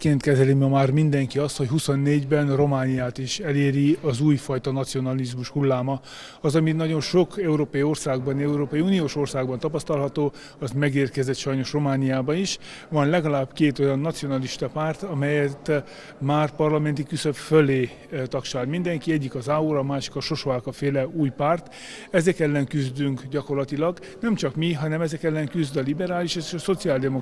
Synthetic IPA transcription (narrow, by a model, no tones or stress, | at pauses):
keːnt̪kɛzɛlimɒmaːrmind̪ɛŋkiɒst̪ho̞chuso̞nːeːɟbɛnro̞maːnijaːt̪iʃɛleːɾiɒzuːjfɒjt̪ɒnɒt̪sio̞nɒlizmuʃhulːaːmɒ | ɒzɒminɒɟo̞nʃo̞kɛuɾoːpɒio̞rsaːɡbɒnɛuɾoːpɒiuːnijoːʃo̞rsaːɡ̚bɒnt̪ɒpɒst̪ɒlɦɒt̪oː | ɒzmɛɡeːrkɛzɛt̪ʃɒjno̞ʃro̞maːnijaːbɒniʃ | ʋɒnlɛɡɒlaːbkeːt̪o̞jɒnːɒt̪sio̞nɒliʃt̪ɒpaːrt̪ɒmɛjɛt̪ | maːrpɒrlɒmɛnt̪ikysøpføleː | t̪ɒkʃaːd̪mind̪ɛŋkiɛɟːikɒzaːuɾɒmaːʃi̥kɒʃo̞ʃoaːkɒfeːlɛuːjpaːrt̪ | ɛzɛkɛlːɛŋkyzd̪yŋkɟɒko̞rlɒt̪ilɒɡ | nɛmt͡ʃɒkmiɦɒnɛmɛzɛkɛlːɛŋkyzd̪ɒlibɛɾaːliʃɛziʃɒso̞t̪siaːld̪ɛmo